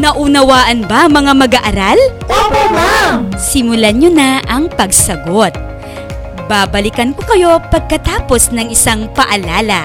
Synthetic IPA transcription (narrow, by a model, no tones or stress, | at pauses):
nɐʔunɐwaːʔɐnbɐmɐŋamɐɡaʔɐɾal | sɪmʊlaɲonɐʔɐŋpɐɡsɐɡo̞t̪̚ | baːbɐlɪkɐnkokɐjo̞pɐɡ̚kɐt̪aːpo̞snɐŋɪsaŋpɐʔɐlaːlɐ